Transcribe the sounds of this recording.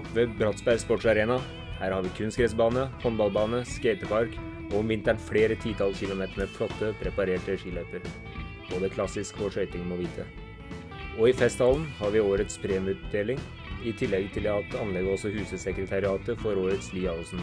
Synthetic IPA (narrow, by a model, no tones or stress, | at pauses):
ʋeːbɾɑt̪sbæɾspɔʈʂɑɾeːnɑ | hæːɾhɑɾʋɪkʰʉnskɾɛsbɑːnəhɔnbɑlˠbɑːnəskeɪt̪əpʰɑɾk | ɔɔmʋɪnt̪æɳfɽeːɾət̪ʰiːt̪ʰɑlçɪlʊmeːt̪əɳəfʰlɔt̪ːəpʰɾɛpɑɾeːʈəʂiːlœpəɾ | b̥oːd̪əkʰlɑsɪskɔʂœʏt̪ɪŋmɔʋiːt̪ʰə | ɔɪfɛst̪hɑːln̩hɑɾʋɪoːɾət̪spʰɾeːməd̪eːlɪŋ | ɪt̪ʰɪlːɛɡt̪ʰɪlɑt̪ɑnlɛɡəɔsɔhʉːsəsɛkɾət̪ʰɑɾɪɑːt̪əfɔɾoːɾət̪sliːɑɔlsn̩